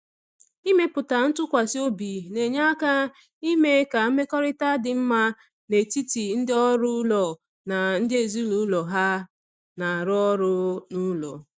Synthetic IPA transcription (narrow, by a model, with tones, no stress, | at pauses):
i˦me˦pʊ˨ta˨n̩˦tʊ˦kʷa˨sɪ˦o˦bi˨ne˨ɲa˦ka˦ | i˦me˦ka˨m̩˦me˦kɔ˦ɾɪ˦ta˦dɪ˨m̩˦ma˦ | ne˨ti˦ti˨n̩˦dɪ˦ɔ˦ɾʊ˦lɔ˨ | na˨n̩˦dɪ˦e˨zi˦lu˨˦lɔ˨ɦa˦ | na˨ɾʊ˦ɔ˦ɾʊ˦nu˦lɔ̰˨